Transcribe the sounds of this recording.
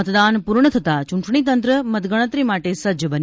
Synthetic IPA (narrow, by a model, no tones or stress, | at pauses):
ət̪d̪aːnpuɾɳət̪ʰət̪at͡ʃuɳʈɳit̪̬ənt̪ɾəmət̪ɡəɽ̃ət̪ɾimaːʈesɐd͡ʒjəbən